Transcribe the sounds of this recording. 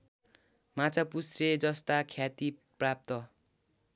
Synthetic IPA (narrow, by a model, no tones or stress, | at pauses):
mat͡sʰapusred͡zʌst̪akʰjat̪iprap̚t̪ʌ